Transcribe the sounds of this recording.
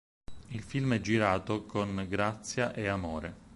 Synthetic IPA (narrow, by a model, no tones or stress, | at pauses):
ilfilmɛd͡ʒːiɾaːt̪okonɡɾat̪sːjaʔeamoːɾe